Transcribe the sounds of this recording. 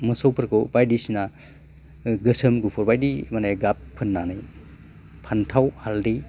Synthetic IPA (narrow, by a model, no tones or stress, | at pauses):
mɯsowpʰɐɾkʰobajdisina | ɡɯsɐmɡupʰɔɾbajdimanajɡapʰːɯnːanɯj | pʰantʰawhaldi